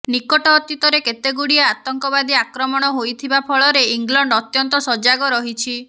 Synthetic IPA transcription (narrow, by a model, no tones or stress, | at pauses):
nikɔʈɔːt̪it̪ɔɾeket̪eɡuɽiaat̪ɔŋkɔbad̪iakɾɔmɔɽ̃ɔɦojt̪ʰibapʰɔɭɔɾeiŋɡlɔɳɖɔt̪jɔnt̪ɔsɔd͡ʒaɡɔɾɔɦit͡ʃʰi